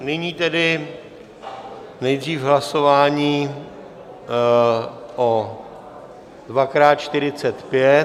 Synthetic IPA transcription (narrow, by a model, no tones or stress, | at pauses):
nɪɲiːt̪ɛdɪ | nɛjd̪riːfɦlaso̞vaːɲiː | ʔo | dvakɾaːt̪̚t͡ʃt̪ɪɾɪt͡sɛt̪pjɛ